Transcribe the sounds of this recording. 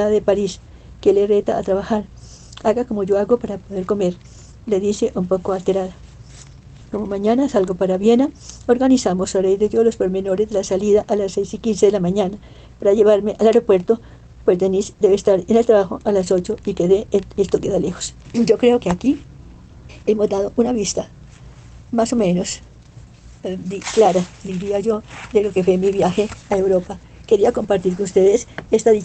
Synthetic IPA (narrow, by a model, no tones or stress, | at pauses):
aðepaɾis | keleret̪aːt̪ɾaβaxaɾ | aɣakomoʝo̞aɣo̞paɾapo̞ðe̞ɾko̞me̞ɾ | le̞ðise̞ʔumpo̞koalt̪e̞ɾaða | komomãɲanasalɡopaɾaβjenaoɾɣanisamosarejðeðjolospoɾme̞no̞ɾezd̪elasaliðaʔalasːejsikinseðelamãɲana | paɾaʝe̞βaɾmeʔalaɾopwe̞ɾt̪o | pwe̞zd̪enisd̪eβest̪aɾene̞lt̪ɾaβaxo̞ʔalaso̞t͡ʃo̞ikeðeelst̪okeðale̞xo̞̥sd͡ʒo̞kɾe̞okeaki | e̞mo̞zd̪aðo̞ʔunaβist̪a | maso̞mẽ̞no̞s | d̪iklaɾad̪iɾiaʝo̞d̪e̞lo̞ke̞fwemiβjaxe̞aewɾo̞pa | ke̞ɾiako̞mpaɾt̪iɾkonust̪e̞ðesest̪aði